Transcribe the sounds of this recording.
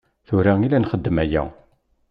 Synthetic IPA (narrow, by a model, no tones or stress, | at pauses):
θʊɾaŋilænχəd̪ːəmæjæ̰